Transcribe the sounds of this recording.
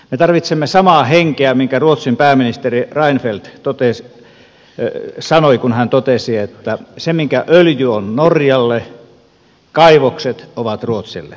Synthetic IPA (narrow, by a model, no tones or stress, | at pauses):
met̪ɑrʋit̪semːesɑmɑːheŋkeæmiŋkæruot̪simpæːminist̪erirɑinfelt̪t̪ot̪es | sɑnoikunhænt̪ot̪esiet̪ːæsemiŋkæʔøljyonnorjɑlːe | kɑiʋokset̪oʋɑt̪ruot̪sḭlːḛ